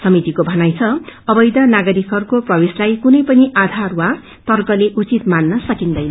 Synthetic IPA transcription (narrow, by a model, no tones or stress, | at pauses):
sʌmit̪ikobʱʌnajt͡sʰʌʌbʌjd̪ʌnaɡʌɾikɦʌrkoprʌbeslajkunʌjpʌniʔad̪ʱarwa | t̪ʌrkʌleʔut͡sit̪manːʌsʌkind̪ʌjnʌ